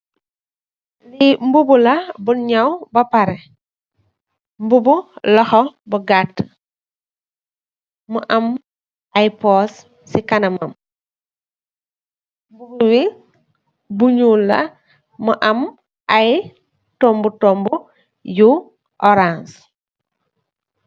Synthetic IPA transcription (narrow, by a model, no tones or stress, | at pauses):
limbubulɐbuɲɐwbɐpɐɾɛ | mbubulɐxɔbuɡatː | muʔɐm | ajpɔs | sikɐnɐmɐm | mbubuwi | buɲulːɐ̰ | muʔɐm | ʔaj | tɔmbutɔmbu | ju | ʔɔɾãns